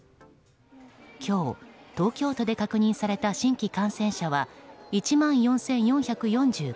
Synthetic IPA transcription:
kʲo̞ːt̪o̞ːkʲo̞ːt̪o̞d̪e̞kakɯ̟ɲ̟ĩsaɾe̞t̪aɕĩŋkʲikãɰ̃sẽ̞ɰ̃ɕaβait͡ɕimãɰ̃jõ̞ɰ̃sẽ̞ɰ̃jõ̞ɰ̃çakɯ̟jõ̞ɲd͡ʑɨː

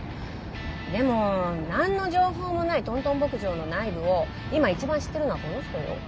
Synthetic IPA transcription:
d̪e̞mo̞nãnːo̞ʑo̞ːɦo̞ːmo̞nait̪õ̞nt̪õ̞mbo̞kɯ̟ʑo̞ːno̞naibɯ̟o̞ | imait͡ɕibãɰ̃ɕi̥t̪ːe̞ɾɯ̟no̞akonoɕi̥t̪ojo̰

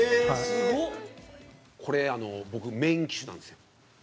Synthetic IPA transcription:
ao | kʰo̞ɾe̞ano̞bo̞kɯ̟mẽ̞ŋkʲi̥ɕɨnã̰nd̪esɨjo

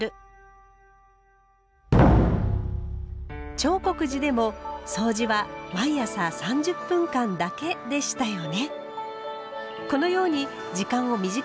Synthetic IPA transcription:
ɾɯ̟ | t͡ɕo̞ːko̞kɯ̟ʑid̪e̞mo̞so̞ːd͡ʑiβamaijasasãɲ̟d͡ʑɨpːɯ̟̃ŋkãnd̪ake̞d̪e̞ɕi̥t̪ajo̞ne̞ | ko̞no̞jo̞ːɲ̟i | d͡ʑikãɰ̃o̞mʲiʑi

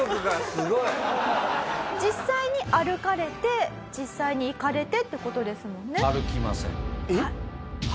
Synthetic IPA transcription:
kɨɡasɨɡoi | d͡ʑisːaiɲ̟iʔaɾɯ̟kaɾe̞t̪e̞ | d͡ʑisːaiɲ̟iːkaɾe̞t̪e̞t̪ːeko̞t̪o̞d̪e̞sɨmõ̞nːe̞aɾɯ̟kʲima̰sḛ̃ai

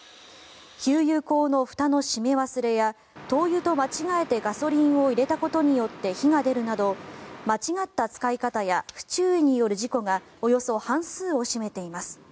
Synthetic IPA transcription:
çʲɨːjɯːko̞ːno̞ɸɯ̟̥t̪ano̞ɕime̞βasɨɾe̞ja | t̪o̞ːjɯ̟ːt̪o̞mat͡ɕiɡae̞t̪e̞ɡaso̞ɾʲĩɰ̃o̞iɾe̞t̪ako̞t̪o̞ɲ̟ijo̞t̪ːe̞çiŋad̪e̞ɾɯ̟nad̪o̞mat͡ɕiɡat̪ːat͡sɨ̥kaikat̪ajaɸɯ̟̥t͡ɕɨːiɲ̟ijo̞ɾɯ̟ʑiko̞ɡa | o̞jo̞so̞hãɰ̃sɨːo̞ɕime̞t̪e̞imasɨ̥

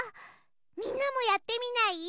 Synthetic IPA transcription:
minamojat̪ːeminai

